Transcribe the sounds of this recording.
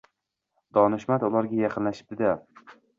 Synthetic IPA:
d̪̥ɒnɪʃmat̪ʊlˠaɾɡʲajaqʰɨnlaʃɪ̥p̚d̪ɪd̪a

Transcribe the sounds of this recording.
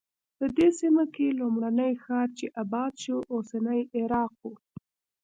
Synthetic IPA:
pəd̪esimakelomɽanəjxɑɾt͡ʃeʔabɑd̪ʃoʔosanəjɪɾɑq̚wu

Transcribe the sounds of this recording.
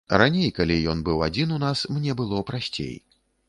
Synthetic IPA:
ɾanʲejkalʲijɔnbɨwad͡zʲinunasmnʲɛbɨlˠɔpɾasʲt͡sʲḛj

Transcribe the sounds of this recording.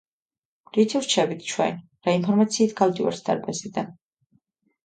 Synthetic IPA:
ɾit̪ʰivɾt͡ʃʰɛbit̪ʰt͡ʃʰwɛ̰n | ɾainpʰɔɾmat̪sʰiːt̪ʰɡ̥ald̪iwa̰ɾsd̪a̰ɾbɛzid̪an

